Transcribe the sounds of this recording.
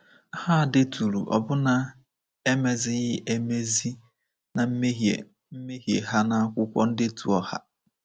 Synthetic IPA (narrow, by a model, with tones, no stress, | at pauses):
ha˦a˨dɪ˦tu˨ɾu˨ʔɔ̰˨bʊ˦na˨ | e˦me˨zɪ˦ɣɪ˦ʔe˦me˦zi˦ | na˨m̩˦me˦ɦḛ˨ | m̩˦me˦ɦje˨ɦa˦na˨a˦˨kʷʊ˦kʷɔ̰˦n̩˦dɪ˦tṵ˨ɔ˨ha̰˦